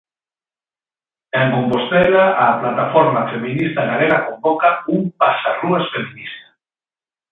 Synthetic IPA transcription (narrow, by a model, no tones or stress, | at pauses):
eŋkompost̪ɛlaʔaplat̪afɔɾmafeminist̪anaɾeɾakombɔkaumpasaruasfeminist̪ḁ